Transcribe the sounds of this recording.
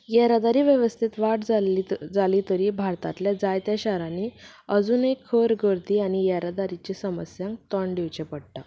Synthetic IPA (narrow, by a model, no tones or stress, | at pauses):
jɛɾad̪aɾiʋjəʋəst̪ʰit̪ʋaʈd͡zd͡zalit̪əɾiːbʱaɾt̪at̪ljad͡zajt̪jaɕaɾaniəd͡zunejkʰːəɾɡəɾt̪iːañijɛɾad̪aɾit͡ɕesəməsjãŋk̚t̪ɔɳɖiʋt͡ɕẽpəɽʈ̪a